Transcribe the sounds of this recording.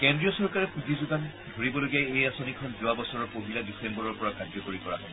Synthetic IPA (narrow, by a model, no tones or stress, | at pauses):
kɛ̃ndɹiɔsɔɹkaɹɛkuzizuɡan | dʱoɹibɔloɡijaejasonikʰɔnzʊwabɔsɔɹɔɹpoɦiladisɛmbɔɹɔɹpɔɹakad͡ʒɔkoɹikɔɹa̰ɦɔ